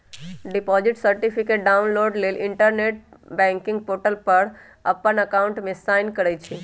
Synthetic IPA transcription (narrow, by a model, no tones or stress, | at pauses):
ɖipɔd͡ʒiʈsəɾʈipʰikeʈ̚ɖaunloɾɖleliɳʈəɾneʈ̚bɛ̃ŋkɪ̃ŋɡ̚poʈəlpəɾ | əpːənəkaʊɳʈmẽsajnkəɾɛt͡ʃʰi